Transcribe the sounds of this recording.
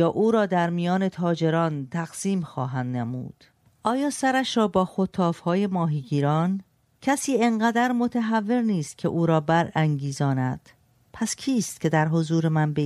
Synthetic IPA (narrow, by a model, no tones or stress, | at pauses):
jɒːʔuːɾɒːd̪æɾmijɒːne̞t̪ʰɒːd͡ʒe̞ɾɒːnt̪ʰæɣ̥siːmxɒːɦænd̪nemṵːd̪̥ | ʔɒːjɒːsæɾæʃɾɒːbɒːxot̪ʰːɒːfhɒːje̞mɒːɦiːɡiːɾɒːn | cʰæsiːe̞ŋɢæd̪æɾmo̞t̪ʰæɦævːe̞ɾniːst̪̚cʰḛʔuːɾɒːbæɾæŋɟiːzɒːnæd̪̥ | pʰæscʰiːst̪̚cʰe̞d̪æɾɦozuːɾemænbe